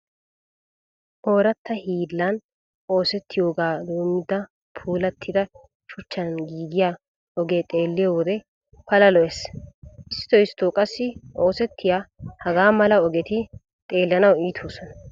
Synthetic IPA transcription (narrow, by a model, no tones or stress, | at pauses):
ʔo̞ːɾɐt̪ːɐhiːlːɐn | ʔo̞ːsɛt̪ːɪjoːɡaːd̪uːmːɪd̪ɐ | pʰuːlɐt̪ʰːɪd̪ɐ | ʃʊt͡ʃːɐnɡiːɡɪjaː | ɔɡeːt̪ʼe̞ːlːɪjawɔd̪ɛ | pɐlɐlɔʔɛsʔɪst̪ːɔɪst̪oːkʼɐsːɪʔo̞ːsɛt̪ːɪjaːhɐɡaːmɐlɐɔɡɛt̪ɪ | t̪ʼe̞ːlːɐnɐwiːt̪ʰoːsɔnɐ